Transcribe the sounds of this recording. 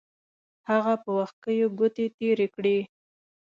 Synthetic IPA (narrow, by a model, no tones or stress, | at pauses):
haɣapəwax̚kəjoɡʊt̪et̪eɾekɽi